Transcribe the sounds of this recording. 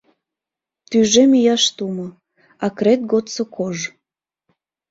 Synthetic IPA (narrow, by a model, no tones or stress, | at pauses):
t̪yʒemijɑʃt̪umŏ | ɑkɾet̪̚ɡot̪t͡sŏkʰoʒ